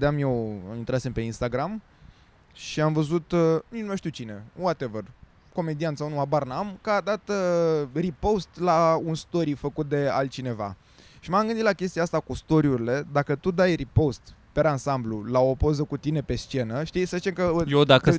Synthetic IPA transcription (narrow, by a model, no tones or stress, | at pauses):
d̪eamjewint̪ɾase̞mpe̞inst̪aɡɾam | ʃiamvəzut̪minumeʃt̪iwt͡ʃine̞wat̪e̞vər | ko̞me̞d̪iant̪sawnuabarnamkad̪at̪ | ripo̞st̪launst̪o̞ɾifəkut̪̚d̪e̞a̰lt̪̚t͡ʃine̞va̰ | ʃimamɡɨnd̪it̪lakʲest̪iaast̪akust̪o̞ɾiuɾile̞d̪akət̪ud̪ajripo̞st̪peɾansamblulao̞po̞zəkut̪ine̞pe̞st͡ʃe̞nəʃt̪ijsəzit͡ʃemkəjed̪akə